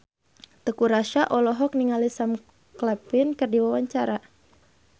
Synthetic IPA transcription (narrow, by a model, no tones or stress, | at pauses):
t̪əkuɾaʃaʔɔlɔɦɔk̚niŋalisam | klɛpɪnkɨrdiwawaɲt͡ʃaɾa